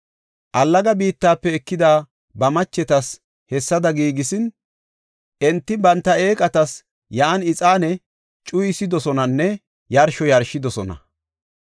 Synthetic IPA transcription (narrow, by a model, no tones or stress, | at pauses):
ʔɐlːɐɡɐbiːt̪ːaːpːɛɛkːɪd̪aː | bɐmɐt͡ʃːɛt̪ɐs | hɛsːɐd̪ɐɡiːɡɪsɪn | ʔɛnt̪ːɪbɐnt̪ːɐeːkʼɐt̪ɐs | jɐːnɪt͡sʼaːnɛ | t͡ʃʼʊjɪsɪd̪ɔsɔnɐnːɛ | jɐɾʃɔjɐɾʃɪd̪ɔsɔnɐ̰